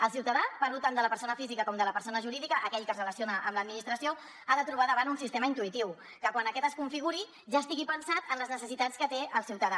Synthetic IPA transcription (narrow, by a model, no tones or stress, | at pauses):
əlˠsiwt̪əðapaɾut̪and̪ələpəɾsonəfizikəkɔmd̪ələpəɾsonəʒuɾiðikəʔəkɛʎkəzrələsionəʔəmləd̪̚minist̪ɾəsio | aðət̪ɾuβ̞aðəβ̞anunsist̪eməint̪uit̪iw | kəkwanəkɛt̪əskuɱfiɣuɾi | ʒast̪iɣipənsat̪ənləznəsəsit̪at͡skət̪eʔəlˠsiwt̪əða